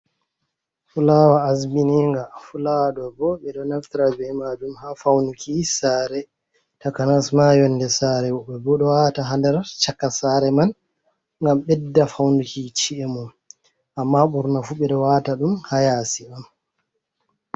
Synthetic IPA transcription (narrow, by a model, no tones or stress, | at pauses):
fulawaːsbiniŋɡafulawɗɔbɔɓɛɗɔnaftiɾabɛmad͡ʒumhafawnukisaːɾɛ | takanasmajɔnːdɛsaɾɛwɔɓɛbɔɗɔwataɦandɛɾt͡ʃakːasaɾɛman | ŋɡamɓɛdːafawnukit͡ʃiɛmum | ʔamːaɓuɾnafuɓɛɗɔwataɗumhajaːsiam